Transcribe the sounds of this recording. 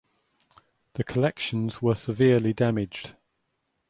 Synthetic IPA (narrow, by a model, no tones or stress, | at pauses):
ðəkʰəlɛkʃə̃nz̥wəsɪvɪəlidamɪd͡ʒd̥